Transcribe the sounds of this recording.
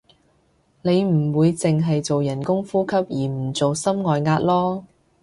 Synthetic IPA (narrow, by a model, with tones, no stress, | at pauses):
ne˨˧jm̩˨˩wuː˨˧jt͡sɪ˨ŋɦɐ˨jt͡so˨wjɐ˨˩nkʊ˥ŋfuː˥kʰɐ˥p̚jiː˨˩m̩˨˩t͡so˨wsɐ˥mŋɔː˨jŋaː˧t̚lɔː˥